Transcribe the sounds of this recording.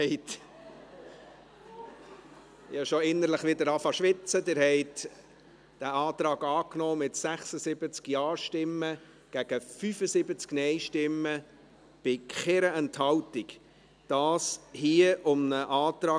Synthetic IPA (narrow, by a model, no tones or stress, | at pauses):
ɛɪt | jɑʃɔɪnːəɾləχʋɪdəɾɑfɑʃʋɪt͡səd̪ɪɾhɛɪt | d̥æɑːt̪ɾɑːɡɑːknɔːmɪtsæχsəsɪbət͡skjɑːɾʃtɪmːə | ɡ̥æɡ̥əfyfəsɪbət͡sknɛɪʃtɪmːə | b̥ɪkχeɾəɛnthɑwtɪk | d̥ɑːshiəʔʊmnəʔɑːt̪ɾɑː